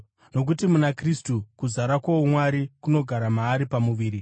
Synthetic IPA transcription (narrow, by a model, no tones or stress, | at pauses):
no̞k̬utimunakristukuzaɾakwaomwaɾikuno̞ɡʱaɾamaːɾipamuʋiːɾi